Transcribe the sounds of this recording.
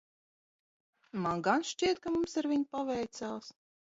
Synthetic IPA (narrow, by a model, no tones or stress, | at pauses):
manɡanʃt͡ʃiɛt̪̚kamumsaɾvʲiɲpavɛjt̪sals